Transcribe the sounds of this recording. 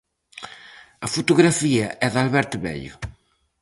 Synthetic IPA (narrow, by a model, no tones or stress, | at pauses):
ɐfut̪uɣɾafiɐʔɛðalβɛɾt̪βɛ̰ʎʊ̰